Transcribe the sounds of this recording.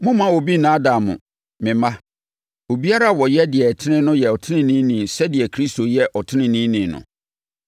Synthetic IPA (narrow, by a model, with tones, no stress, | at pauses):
mʊ̃˦mã˦wo˨bi˦nã˦dã˨mʊ̰̃˨ | mɪ̃˨mã˦ | o˨bi˦a˦ɾa˦a˨wɔ˨jɛ˦dɪ˨ɛ˨tʰɪ˦nɪ̃˦nʊ̃˦jɛ˨ɔ˨tʰɪ˦nɪ̃˦nĩ˦nĩ˨sɛ˦dɪ˨ɛ˨kʰɾi˦sto˨jɛ˦ʔɔ˨tʰɪ̃˦nɪ̃˦nĩ˦nĩ˨nʊ̰̃˨